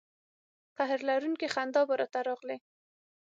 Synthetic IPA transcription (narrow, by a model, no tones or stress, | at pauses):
qaɦɾlaɾunkexand̪ɑbaɾɑt̪aɾɑɣle